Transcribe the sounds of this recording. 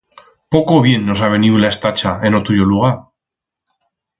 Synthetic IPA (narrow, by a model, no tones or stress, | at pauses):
po̞ko̞β̞je̞nːo̞saβ̞e̞niulae̞st̪at͡ʃae̞not̪uʎo̞luɣ̞a